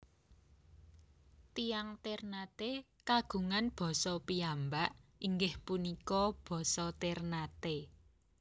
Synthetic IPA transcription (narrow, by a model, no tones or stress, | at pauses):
t̪ijaŋt̪ernat̪e | kaɡ̥ṳŋanb̥ɔ̤sɔpiambaʔiŋɡɪhpunikɔb̥ɔ̤sɔt̪ernat̪e